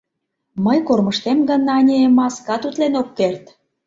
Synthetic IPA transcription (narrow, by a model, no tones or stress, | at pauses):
məjkorməʃt̪emɡə̆nɑnʲemɑskɑt̪ut̪lenokːert̪